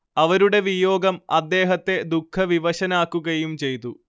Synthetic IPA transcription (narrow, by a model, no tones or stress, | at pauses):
ɐʋɐɾuɽe̞ʋijo̞ːɡɐmɐd̪ːe̞ːɦɐt̪ːe̞d̪ukʰːɐʋiʋɐɕɐnaːkːuɣɐjumt͡ɕe̞jt̪ːu